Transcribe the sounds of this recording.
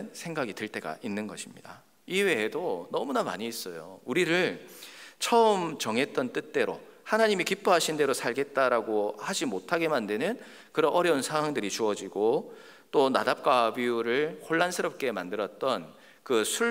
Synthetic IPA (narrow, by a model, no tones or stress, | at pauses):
nsʰe̞ŋɡaɡiteɭt͈e̞ɡa̰ʔinːɯnɡʌɕʰimɲida̰ | iwe̞ːdonʌmunama̰ɲiːs͈ʌjouɾiɾɯɭ | t͡ɕʰʌɯmt͡ɕʌŋɦe̞t̚t͈ʌnt͈ɯt̚t͈e̞ɾo̰hanaɲimikip͈uɦaɕʰinde̞ɾosʰaɭɡe̞t̚t͈aɾaɡohad͡ʑimotʰaɡe̞mandɯnɯn | kɯɾʌnʌɾjʌunsʰaŋwaŋdɯɾit͡ɕuʌd͡ʑiɡo | t͈ona̰dap̚k͈abiuɾɯɭkoɭːansʰɯɾʌp̚k͈e̞mandɯɾʌt̚t͈ʌn | kɯsʰu